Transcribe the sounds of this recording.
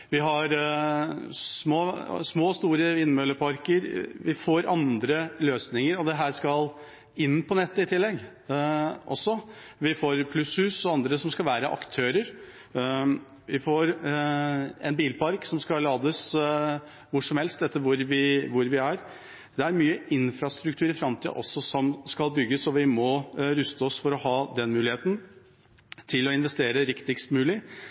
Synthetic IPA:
ʋɪɦɑɾ | smoːsmoːst̪uːɾəɪːnmøːləpʰɑɾkəɾʋɪfoːɾɑnd̪ɾəløːsnɪŋəɾɔd̪ɛɦæːʂkɑl | ɪnːpɔnɛt̪ːəɪt̪ʰɪlːɛɡ | ʔɔ̰sːɔ | ʋɪfoːɾpʰlʉshʉːsɔɑnd̪ɾəsɔmskɑlʋæːɾəʔɑ̰kt̪ʰøːɾəɾ | ʋɪfoːɾ | ɛ̰nbiːlpɑɾksɔmskɑlɑːd̪əs | ʋʊʂɔmhɛlst̪ɛt̪ːəɾʋʊɾʋɪʋʊɾʋɪæɾ | d̪̥ɛæɾmyːəɪnfɾɑst̪ɾʉk̚t̪ʰʉːɾɪfɾɑmt̪ʰɪʔɔ̰sːɔsɔmskɑlˠbʏɡːəsɔʋɪmɔɾʉst̪əɔsfɔɾɔhɑːd̪ɛnmʉːlɪheːt̪n̩ | t̪ʰɪlɔɪnʋɛst̪eːɾəɾɪkt̪ɪkst̪mʉːlɪ

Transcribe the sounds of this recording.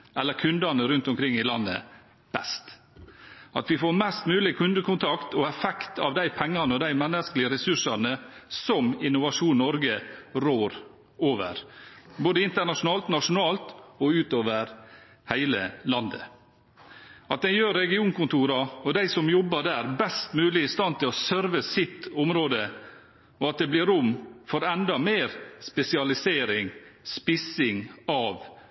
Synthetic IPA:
ʔɛlːəɾkʰʉnd̪ɑnəɾʉnt̪ɔmkʰɾɪŋːɪlɑ̰nːə̰ | b̥ɛ̰st̪ | ɑ̰t̪ʋɪfoːɾmɛst̪mʉːlɪkʰʉnd̪əkʊnt̪ʰɑkt̪ɔɛfɛkt̪ʰɑ̰ʋd̪æɪpʰɛŋːɑnəɔd̪æɪmɛnːəsklɪəɾɛsʉʂɑɾnəsɔmɪnːʊʋɑʂuːnnɔɾɡəɾoːɾ | oːʋə̰ɾ | boːd̪əɪnt̪əɳɑʂʊnɑːlt̪nɑʂʊnɑːlt̪ɔʉːt̪oːʋəɾ | hæɪləlɑnd̪ə̰ | ʔɑt̪̚d̪ɛɪjøːɾːɛɡɪuːnkʊnt̪ʰuːɾɑɔd̪æɪsɔmjɔbːəd̪æːɾbɛst̪mʉːlɪɪst̪ɑnt̪ʰɪlɔsœɾʋəsɪt̪ːʊmɾoːd̪ə | ɔɑt̪̚d̪ɛblɪɾʊmfɔɾɛnd̪ɑmeːɾspɛsɪɑlɪseːɾɪŋspɪsɪŋɑʋ

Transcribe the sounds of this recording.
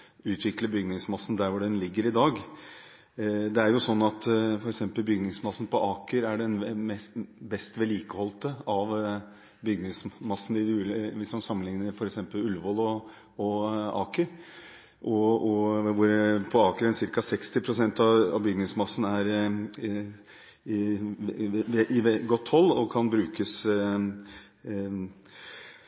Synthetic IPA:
ʉːt̪ʰʋɪkləbʏɡnɪŋsmɑsːn̩d̪æɾʋʊɖɛnlɪɡːəɾɪd̪ɑːɡ | d̪ɛæɾjʊsɔnːɑt̪fɔɾɛksɛmpəlbʏɡnɪŋsmɑsːn̩pʰɔʔɑːkəɾæɖɛnmɛsbɛst̪ʋɛliːkəhɔlt̪əɑʋ | bʏɡnɪŋsmɑsːnɪd̪ʉːlʋɪsmɑnsɑmːənɪŋnəɾfɔɾɛksɛmpəlʉlʋɔlɔ | ɔɑːkəɾ | ʔɔɔʋʊɾpʰɔɑːkəɾɛnsɪɾkɑsɛkst̪ɪpʰɾʊsɛnt̪ɑɑ̰ʋbʏɡnɪŋsmɑsːn̩æɾ | ʔɪɛɡɔt̪ːhɔlːɔkʰɑnbɾʉːkəs

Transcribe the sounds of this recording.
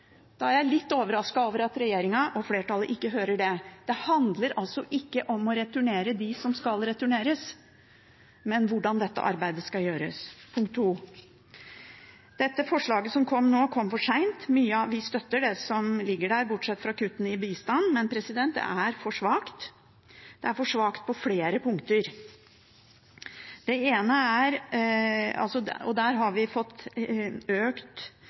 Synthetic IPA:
d̪̥ɑæɾjæɪlɪt̪ːoːʋəɾɑskɑoːʋəɾɑt̪ɾɛjeːɾɪŋɑʔɔfleːʈʰɑlːəʔɪkːəɦøːɾəɖɛd̪̥ɛhɑnd̪ləɾɑlsɔʔɪkːəʔɔmɔɾɛt̪ʉɳeːɾəd̪ɪsɔmskɑlɾɛt̪ʉɳeːɾəs | mɛnʋʊɖɑnd̪ɛt̪ːə̰ʔɑ̰ɾbæɪd̪əskɑljøːɾə̰spʰʊŋkt̪ʰːuː | d̪̥ɛt̪ːəfɔʂɭɑːɡəsɔmkʰɔmːnoːkʰɔmːfɔʂæɪnt̪myːəɑʋɪst̪œt̪ːəɖɛsɔmlɪɡːəɖæːɾbʊʈʂɛt̪ːfɾɑkʉt̪ːən̩ɪbiːst̪ɑnːmɛnpʰɾɛsɪd̪ɛnt̪æɾfɔʂʋɑːkt̪ | d̪̥ɛæɾfɔʂʋɑːkt̪̚pʰɔfleːɾəpʰʊŋkt̪əɾ | d̪̥ɛeːnəæɾ | ɑ̰lsɔɔ̰d̪æːɾɦɑɾʋɪfɔt̪ː | øːkt̪

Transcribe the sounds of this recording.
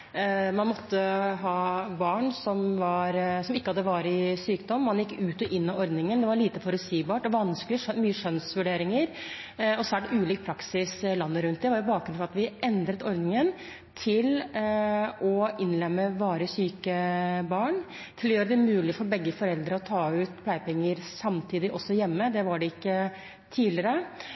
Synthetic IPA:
mɑnmɔt̪ːəɦɑːbɑːɳsɔmʋɑɾsɔmɪkːəhɑd̪ːəʋɑːɾɪsyːkd̪ɔmːɑnjɪkːʉːt̪ɔʔɪnːɑɔɾd̪nɪŋənd̪ɛʋɑɭiːt̪əfɔɾʉt̪siːbɑːʈɔʋɑnskəlɪʂmyːəʂœnsʋʉɖeːɾɪŋəɾɔsæːʈʉːliːk̚pʰɾɑksɪslɑnːəɾʉnt̪̚d̪ɛʋɑɾʊbɑːkɡɾnfɔɾɑt̪ʋɪʔɛnd̪ɾət̪ɔɾd̪nɪŋən | t̪ʰɪl | ɔʔɪnlɛmːəʋɑːɾəsyːkəbɑːɳ | t̪ʰɪlɔjøːɾəd̪ɛmʉːlɪfɔɾbɛɡːəfɔɾɛld̪ɾəɔt̪ʰɑːʉːt̪pʰlæɪpɛŋːəɾsɑmt̪ʰiːd̪ɪʔɔsːɔjɛmːəd̪ɛʋɑɖɛɪkːə | t̪ʰiːlɪəɾə

